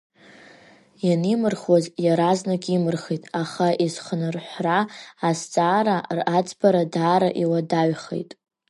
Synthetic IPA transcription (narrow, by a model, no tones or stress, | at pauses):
janimɨrχwazjaɾaznakʲʼimɨrχitʼaχaʔiz̥χənɨrħʷraːst͡sʼaːɾarat͡sʼbaɾadaːɾaʔiwadaɥχḛjtʼ